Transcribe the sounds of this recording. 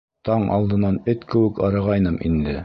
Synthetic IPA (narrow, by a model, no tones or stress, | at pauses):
t̪ɑɴɑ̰lˠd̪ɤ̆nɑnɘt̪kɘ̆wɘkɑɾɤʁɑjnɤmʔind̪ɘ